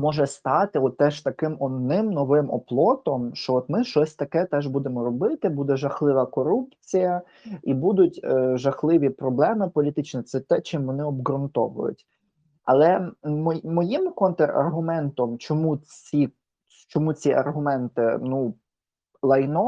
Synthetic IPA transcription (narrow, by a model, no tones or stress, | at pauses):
mɔʒɛst̪ɑt̪ɪɔt̪ːɛʒt̪ɐkɪmɔd̪nɪmnɔʋɪmɔ̰plˠɔt̪ɔmʃt͡ʃɔɔt̪mɪʃt͡ʃɔsʲt̪ɐkɛt̪ɛʒbud̪emɔɾɔbɪt̪ɪbud̪ɛʒɐxlˠɪʋɐkɔɾupt͡sʲijɐ | ibud̪ʊtʲːʒɐxlˠɪʋʲipɾɔblˠɛmɪpɔlʲit̪ɪt͡ʃnɛt̪sɛt̪ɛt͡ʃɪmʋɔnɪɔbɣɾʊnt̪ɔʋʊ̰jʊ̰tʲ | ɐ̰lˠɛmɔmɔjimkɔnt̪erɐ̰rɦʊmɛnt̪ɔmt͡ʃɔmut͡sʲi | t͡ʃɔmut͡sʲiʔɐ̰rɦʊmɛnt̪ɪ̰nu | lˠɐjnɔ